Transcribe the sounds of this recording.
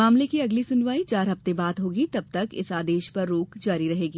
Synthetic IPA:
maːmlekiɐɡlisʊnʋaːit͡ʃaːɾɦɐft̪ebaːd̪ɦoːɡit̪ɐb̚t̪ɐkɪ̰saːd̪eːʃpɐɾːoːkd͡ʒaːɾiɾɐɦeːɡiː

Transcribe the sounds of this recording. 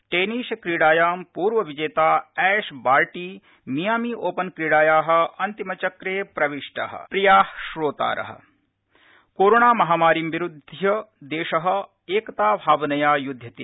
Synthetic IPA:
ʈeːniʃkɾiɽaːjaːmpuːɾʋɐʋid͡ʒeːt̪aːɛːʃbaːɾʈiː | mijaːmiːʔoːpɐnkɾiːɽaːjaːɦɐ̆ɐnt̪imɐt͡ʃɐkɾeːpɾɐʋiʃʈa̰ːɦɐ̰pɾijaːhʃɾoːt̪a̰ːɾɐ̰ɦɐ̰̆ | koːɾoːɳaːmɐɦaːmaːɾimʋiɾud̪ʱjɐd̪eːʃɐɦɐ̆ | eːkɐt̪aːbʱaːʋɐnɐjaːjud̪ʱjɐt̪eː

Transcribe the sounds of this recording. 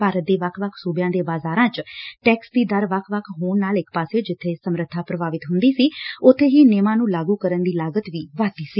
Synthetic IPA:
paːɾət̪̚d̪eːʋəkʰʋəkʰsuːbjãːd̪eːbaːzaːɾãːt͡ʃʈɛːksd̪iːd̪əɾʋəkʰʋəkʰɦoːɳnaːlɪkʰpaːsed͡ʒɪt̪ʰːeːsəmɾət̪ʰːaːpɾəbaːʋɪt̪ɦʊnd̪iːsiːʊt̪ʰːeːɦiːneːmãːnũːlaːɡuːkəɾənd̪iːlaːɡət̪ʋiːʋaːt̪iːsiː

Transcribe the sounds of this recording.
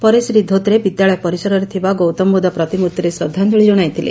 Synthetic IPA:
pɔɾesɾid̪ʱot̪ɾebid̪jaɭɔjɔpɔɾisɔɾɔɾet̪ʰibaɡowt̪ɔmbod̪apɾɔt̪imut̪ːɾesɾɔd̪ʱːand̪uɭid͡ʒɔɽ̃ajt̪ʰilḛ

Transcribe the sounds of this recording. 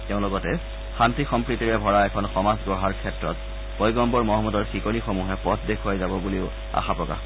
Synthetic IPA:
teʊ̃nlʊɡɔtɛ | xantixɔmpɹitiɹɛbʱɔɹaɛkʰɔnxɔmazɡɔɦaɹkʰɛtɹɔt̚ | pɔjɡɔmbɔɹmɔɦɔmːɔdɔɹxikɔnixɔmuɦɛpɔtʰdekʰuajzabɔbuliʊ | a̰xapɹɔka̰x

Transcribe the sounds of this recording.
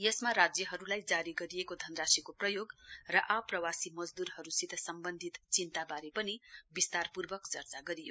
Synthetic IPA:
jʌsmaɾad͡zjʌɦʌɾulajd͡zaɾiɡʌɾijekod̪ʱʌnrasikoprʌjoɡrʌʔʌprʌwasimʌd͡zd̪uɾhʌɾusit̪ʌsʌmbʌnd̪ʱit̪t͡sint̪abaɾepʌnibist̪arpurbʌkt͡sʌrt͡saɡʌɾijo

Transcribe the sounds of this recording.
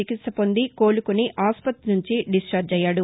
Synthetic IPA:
t͡ʃikit̪sɐpond̪iko̞ːlukuniʔaːspɐt̪nuɲt͡ʃiɖisʈɾɐːd͡ʒɛjːaːɽu

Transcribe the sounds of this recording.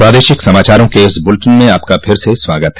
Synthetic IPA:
pɾaːd̪eːʃɪksɐmaːt͡ʃaːɾõkeɪsbʊlʈənmẽaːp̚kapʰɪɾseswaːɡət̪ɦɛ

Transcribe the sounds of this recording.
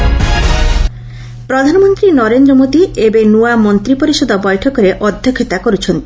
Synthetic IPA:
pɾɔd̪ʱanɔmɔnt̪ɾinɔɾend̪ɾɔmod̪iebenuamɔnt̪ɾipoɾiʃɔd̪ʱɔbɔjʈʰɔkɔɾeʔɔd̪ʱjɔkʰːet̪akoɾut͡ʃʰɔnt̪i̥

